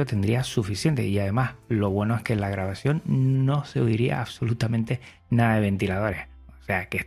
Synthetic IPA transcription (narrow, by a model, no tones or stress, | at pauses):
ot̪e̞nd̪ɾiasufisje̞nt̪e̞̰iaðe̞mahlo̞β̞we̞no̞e̞hkelaɣɾaβ̞asjo̞nːo̞se̞oiɾia̰ːβso̞lut̪amẽnt̪e̞ | naðaðeβ̞e̞nt̪ilað̞o̞ɾe̞h | ose̞ake